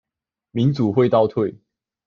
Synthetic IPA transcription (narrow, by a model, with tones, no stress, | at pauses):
mi˨˦nt͡su˨˩xwe˥˧ɪt̪ɑ˥˧ʊt̪ʰwe˥˨ɪ